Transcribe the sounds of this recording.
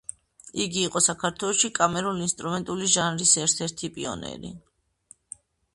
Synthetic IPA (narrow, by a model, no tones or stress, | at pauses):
iɡiːqʼɔsakʰaɾt̪ʰwɛlˠɔʃikʼamɛɾulinst̪ʼɾumɛnt̪ʼuliʒanɾisɛɾt̪ʰɛɾt̪ʰipʼḭɔ̰nɛ̰ɾḭ